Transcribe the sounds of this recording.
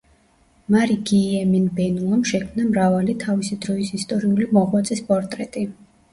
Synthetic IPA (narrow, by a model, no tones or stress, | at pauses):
maɾiɡiɛminbɛnuɔmʃɛkʰmnamɾavalit̪ʰavisid̪ɾɔisist̪ʼɔɾiulimɔʁwat̪sʼispʼɔɾt̪ʼɾɛt̪ʼi